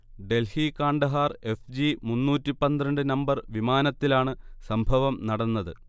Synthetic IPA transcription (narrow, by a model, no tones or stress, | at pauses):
ɖe̞lhikaːɳɖɐɦaːre̞fd͡ʑimunːuːtːipɐnd̪ɾɐɳɖɨnɐmbɐrʋimaːnɐt̪ːilaːɳɨsɐmbʱɐʋɐmnɐɽɐnːɐðɨ